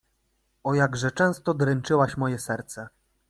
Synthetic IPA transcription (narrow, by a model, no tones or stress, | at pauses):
ɔjaɡʐɛt͡ʂɛ̃w̃st̪ɔd̪ɾɛnt͡ʂɘwaɕmɔjɛsɛɾt̪sɛ